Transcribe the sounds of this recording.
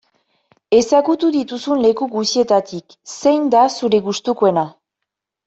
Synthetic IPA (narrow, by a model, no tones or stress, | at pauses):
e̞saɣut̪uðit̪usunle̞kuɣusie̞t̪at̪ik | se̞jnd̪asuɾe̞ɣust̪ukue̞na